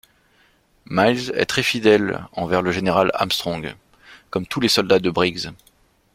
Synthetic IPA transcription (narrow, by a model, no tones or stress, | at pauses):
majzɛ̰t̪χɛfid̪ɛlɑ̰̃vɛʁləʒeneʁala̰mst̪χɔ̃ɡ | kɔmt̪ulesɔld̪ad̪əbʁiɡz